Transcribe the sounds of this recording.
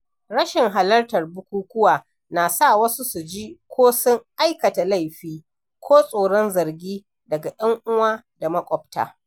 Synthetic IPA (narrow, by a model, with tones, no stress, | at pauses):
ɽɐ˦ʃɪ˨ŋɦa˨lɐ˦rtɐ˨rbʊ˦kʷuː˦kʷʊ˦waː˨ | naː˨sa˦˨wɐ˦su˦su˨d͡ʒiː˦kʷʰoː˦sʊ˦ŋʔa˦jkɐ˨ta˨la˦˨jɸiː˦ | kʷʰoː˦sʼoː˨ɽɔ˦nzɐ˨rɡʲiː˦ | dɐ˨ɡa˨ɗɐ˦ŋʔʊ˦waː˦da˨mɐ˦kʷʼɔ˨b̚ta̰ː˨